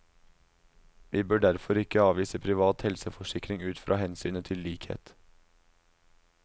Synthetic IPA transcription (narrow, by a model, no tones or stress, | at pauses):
ʋiːbøːɖæɾfɔɾɪkəɑːʋiːsəpʰɾɪʋɑːt̪hɛlsəfɔʃɪkɾɪŋʉːt̪fɾʔɑ̰ːhɛnsyːnət̪ʰɪlliːkhḛːt̪